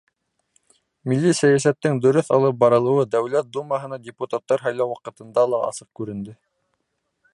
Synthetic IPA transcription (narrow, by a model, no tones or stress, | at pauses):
milːisæjæsæt̪ːɘŋd̪ɵ̆ɾɵθɑlˠɤp̚bɑɾɤ̆lˠɤ̆wɤd̪æwlæt̪̚d̪umɑɦɤ̆nɑdʲɪput̪at̪ːɑɾɦɑjlæwɑqɤ̆t̪ɤ̆nd̪ɑlˠɑʔɑ̰sɤq̚kʉɾɘ̆nd̪ɘ